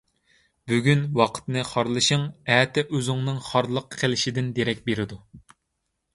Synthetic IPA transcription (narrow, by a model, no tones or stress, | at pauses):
byɡʲynwɑqʰə̥t̪nɨχɑɾlˠɨʃɨŋɛːt̪ʰɛʔøzɪŋnɨŋχɑɾlˠəqʰːelɪʃid̪ɪnd̪eɾɛk̚ʲbeɾɪd̪u